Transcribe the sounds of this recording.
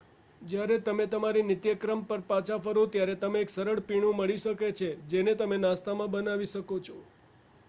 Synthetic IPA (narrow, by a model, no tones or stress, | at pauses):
d͡ʒjaɾet̪əmet̪əmaɾinɪt̪jəkɾəmpəɾpãt͡ʃʰafəɾot̪jaɾet̪əmeːksəɾəɭpiɽ̃ũməɭiʃəket͡ʃʰed͡ʒenet̪əmenãst̪amãbənaʋiʃəkot͡ʃʰɔ